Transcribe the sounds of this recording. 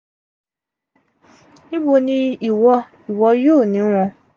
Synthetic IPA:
nĩ˦bo˧nĩ˦i˨wɔ˧ | i˨wɔ˧joː˦˨nĩ˨˦ɾa˧

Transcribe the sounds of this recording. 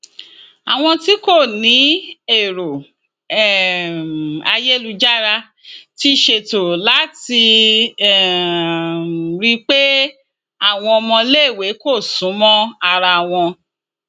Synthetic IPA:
a˨w̃ɔ̃˧ti˦ko˦˨nĩ˨˦e˦˨ɾo˨ | ɛ˨ | a˧je˦lu˧d͡ʒa˦ɾa˧ | ti˦ʃe˧˨to˨la˦ti˧˨ | ɾi˦k͡pe˦ | a˦˨w̃ɔ̃˧ɔ˧mɔ̃˧le˦˨we˨˦ko˦˨sũ˨˦mɔ̃˦a˧ɾa˧˨w̃ɔ̃˧

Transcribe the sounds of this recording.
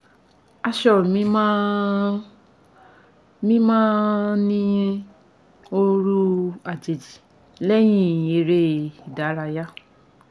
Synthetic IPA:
a˧ʃɔ˦˨mĩ˦m˦ | mĩ˦mãː˦nĩ˦jẽ˦˧ | o˧ɾu˦a˨d͡ʒe˨d͡ʒi˨ | lɛ˦j̃ĩ˦˨je˨ɾe˦i˨da˨˦ɾa˧ja˦

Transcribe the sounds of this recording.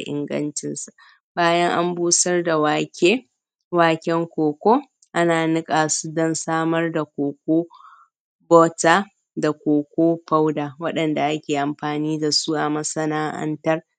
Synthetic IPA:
a˨ʔɪ̰˨ŋɡɐ̰˦nt͡ʃɪ˦nsa˨ | baː˦jɐ˦ŋʔa̰˦mbuː˦sɐ˦rda˨waː˨kʲeː˦ | waː˨kʲɛ˦ŋkʷoː˨kʷoː˦ | ʔa˦naː˨nɪ˦kʼaː˨su˦dɔ˦nsaː˦mɐ˦rda˨kʷoː˨kʷoː˦ | boː˦taː˦ | da˨kʷoː˨kʷoː˦ɸa˦wdaː˨wɐ˦ɗɐ˨nda˨ʔa˦kʲeː˨ʔa˨mɸaː˨niː˦da˨su˦ʔa˨mɐ˦sɐ˦naː˦ʔɐ̰˦ntɐ˦r

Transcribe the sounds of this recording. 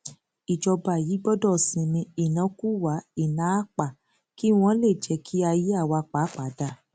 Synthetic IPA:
i˨d͡ʒɔ˧ba˨ji˨˦ɡ͡bɔ˦dɔ˦˨sĩ˧nĩ˧i˨nã˨˦ku˦wa˨˦i˦˨nã˨˦a˦k͡pa˨ | ki˦w̃ɔ̃˧˦le˦˨d͡ʒɛ˧˦kʰi˦a˧ji˦a˦˨wa˧k͡pa˨˦k͡pa˨˦da˦˨

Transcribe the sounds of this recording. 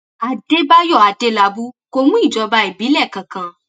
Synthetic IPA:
a˨de˦ba˦jɔ˦˨a˨de˧la˧bu˦ko˧mũ˦i˦˨d͡ʒɔ˧ba˧i˨bi˨˦lɛ˦˨kã˨kã˧

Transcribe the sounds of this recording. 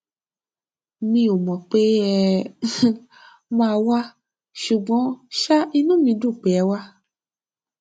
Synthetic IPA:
nĩ˧˦o˨mɔ̃˨k͡pe˦ɛ˦ | mãː˧wa˦ | ʃu˨ɡ͡bɔ̃˨˦ʃa˦i˧nũ˦mĩ˧˦du˦˨k͡pɛ˨ɛ˨˦wa˦

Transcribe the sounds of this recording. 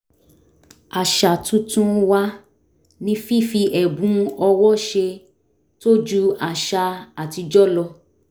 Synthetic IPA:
a˨ʃa˨tũ˦tũ˦wa˦ | nĩ˦fi˦˨fi˧ʔɛ˨bũ˨˦ɔ˧wɔ˦ʃe˧ | to˦d͡ʒu˦a˨ʃa˧a˨ti˧d͡ʒɔ˦lɔ˧

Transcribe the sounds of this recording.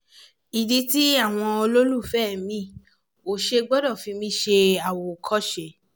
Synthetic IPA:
i˨di˧˦ti˦a˦˨w̃ɔ̃˧o˧lo˦lu˦˨fɛ˦˨mĩ˦˨ | o˨ʃe˧ɡ͡bɔ˦dɔ˦˨fĩ˨˧˦mĩ˦ʃe˧a˨wo˨kʰɔ˦˨ʃe˨

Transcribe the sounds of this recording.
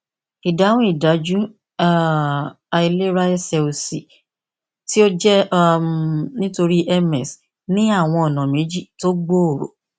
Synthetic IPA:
i˨da˨˦w̃ɔ̃˦i˦˨da˨˦d͡ʒu˦ | a˦ | a˧i˧le˦ɾa˦ɛ˦sɛ˨o˨si˨ | ti˦o˦d͡ʒɛ˦ | nĩ˦to˧ɾi˦ʔɛ˧mɛ˨s | nĩ˦a˦˨w̃ɔ̃˧ɔ˨nã˨mẽ˨˦d͡ʒi˦˨to˦ɡ͡bo˦o˨ɾo̰˨

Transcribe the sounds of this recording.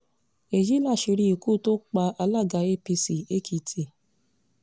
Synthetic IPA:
e˨ji˦la˦˨ʃi˧ɾi˦i˨ku˦˨to˦k͡pa˧ʔa˧la˦˨ɡa˧e˦˨pi˧si˨e˦kʰi˨˧tʰi˨

